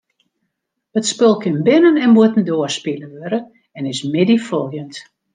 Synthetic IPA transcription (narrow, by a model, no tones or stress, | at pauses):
ətspɪlˠkɪnbɪnənɛnmuətən̩doərspiləʋøɾə | ɛnɪsmɪdifɔlˠjənt